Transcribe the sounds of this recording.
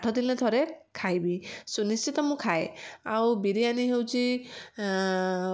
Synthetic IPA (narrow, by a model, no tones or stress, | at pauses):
aʈʰɔd̪inet̪ʰɔɾekʰajbisunist͡ʃit̪ɔmũkʰaea̰wbiɾianiɦewt͡ʃʰi